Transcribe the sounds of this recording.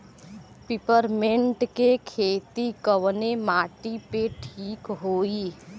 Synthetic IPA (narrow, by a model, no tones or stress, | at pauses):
pɪpəɾmẽɳʈkekʰeːt̪ikəʋənemaːʈipeʈʰiːkɦoːiː